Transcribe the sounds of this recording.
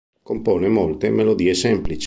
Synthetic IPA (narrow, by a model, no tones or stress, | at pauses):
kompɔːnemolt̪emelod̪iːesɛmplit͡ʃ